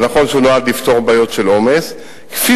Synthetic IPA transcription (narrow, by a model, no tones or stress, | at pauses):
naχo̞nʃeunoad̪lift̪o̞ʁbaːjo̞t̪ʃelo̞me̞s | ke̥fi